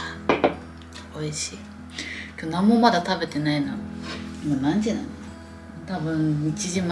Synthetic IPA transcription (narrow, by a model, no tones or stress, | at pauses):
oiɕi | kʰonamomad̪at̪ʰabet̪enajnamanant͡ɕina | t̪abɯmit͡ɕid͡ʑima